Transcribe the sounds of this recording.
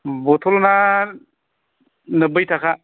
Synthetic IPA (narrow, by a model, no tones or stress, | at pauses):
bot̪ʰolna | nəbɯjt̪ʰakʰa